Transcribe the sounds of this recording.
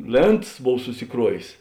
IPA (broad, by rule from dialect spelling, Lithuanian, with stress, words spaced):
ˈlʲeːntɐs ˈboːw sʊsʲɪˈkruɔʋʲeːs